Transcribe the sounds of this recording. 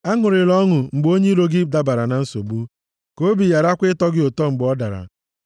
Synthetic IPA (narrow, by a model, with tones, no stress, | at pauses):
a˦ŋʊ˨ɾɪ˨lɔ˦ŋʊ˨ŋ͡m̩˨ɡ͡bo˦ɲe˦ɾo˦ɡɪ˦da˦ba˨ɾa˨na˨n̩˦so˨bu˦ | ko˦bi˨ja˨ɾa˦kʷɪ˦tɔ˦ɡɪ˦o˨tɔ˦ŋ͡m̩˨ɡ͡bɔ˦da̰˨ɾa̰˨